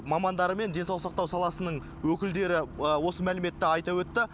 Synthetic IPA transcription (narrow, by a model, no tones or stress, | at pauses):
mɑmɑnd̪ɑɾəme̞nd̪e̞nsɑw̪ˠsɑq̚t̪ɑwsɑlˠɑsənəɴ | wɵkʲɪld̪e̞ɾɪəwo̞səmælɪme̞t̪ːɪɑjt̪ɑwɵt̪ːɪ